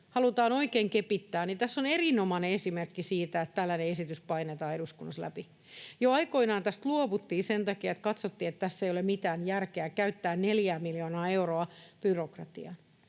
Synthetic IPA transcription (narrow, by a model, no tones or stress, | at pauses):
hɑlut̪ɑːno̞ikeːŋkepit̪ːæːnit̪æsːonerinomɑneesimerkːisiːt̪æet̪t̪ælːæneesit̪yspɑinet̪ɑːeɾuskunːɑslæ̰pi | joɑiko̞inɑːnt̪æst̪luoʋut̪ːiːsent̪ɑkiɑet̪kɑt̪sot̪ːiːet̪t̪æsːeijolemmit̪æːnjærkeækæyt̪ːæːnneljæːmiljoːnɑːe̞uroɑb̥yrokrɑt̪iɑn